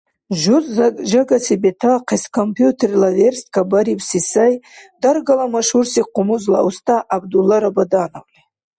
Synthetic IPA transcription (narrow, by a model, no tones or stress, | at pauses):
ʒuʒaɡasibetʰaqʰeskʰompʰjut̪ʰerlaverst̪kʰabaɾipsisajd̪arɡalamaʃhursiqʰʊmuzla̰wst̪ʰaʔabd̪ulːaɾabad̪anawʼni